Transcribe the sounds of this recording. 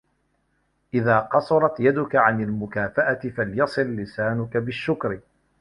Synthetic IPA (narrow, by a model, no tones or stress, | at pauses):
ʔɪðaːqɑsˤɑɾˤɑt̪jad̪ʊkaʕanalmʊkaːfaʔat̪ɪfaljɑsˤɨlːɪsaːnʊkabɪʃːʊkɾ